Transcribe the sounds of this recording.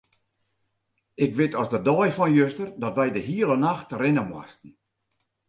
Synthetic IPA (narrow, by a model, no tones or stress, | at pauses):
ɪkʋɪtɔsdədɔjfɔnjøstərdɔtʋɛjdəɦiələnaxtrɪnəmwa̰stn̩